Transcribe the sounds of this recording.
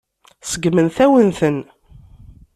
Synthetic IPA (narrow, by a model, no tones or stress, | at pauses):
səɡmənθæwənθən